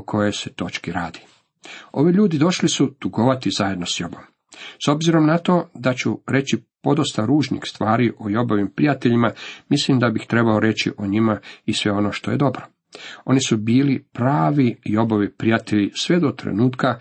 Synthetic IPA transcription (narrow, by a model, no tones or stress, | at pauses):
okʰo̞jeset̪o̞t͡ʃkiɾaːd̪i | o̞ʋiʎuːd̪id̪o̞ʃlisud̪̥uɡoʋat̪izaje̞d̪no̞sjo̞bom | so̞bziɾo̞mnat̪o̞ːd̪at͡ɕuɾe̞t͡ɕipo̞d̪ost̪aɾuːʒnḭxst̪ʋaːɾiʔo̞jo̞boʋimpɾijat̪eʎimamislimd̪abixt̪ɾe̞baoɾe̞t͡ɕḭʔoɲimaisʋe̞o̞no̞ʃt̪o̞je̞d̪o̞bɾo | o̞̰nisubiːlipɾaːʋijo̞boʋipɾijat̪e̞ʎisʋe̞d̪o̞t̪ɾḛnuːt̪ka